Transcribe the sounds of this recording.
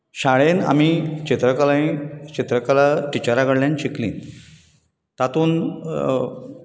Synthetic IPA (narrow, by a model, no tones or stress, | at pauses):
ɕaɭena̰miːt͡ɕet̪ɾəkalaĩt͡ɕit̪ɾəkalaʈit͡ɕaɾaɡəɽljant͡ɕiklḭːn | t̪at̪uːn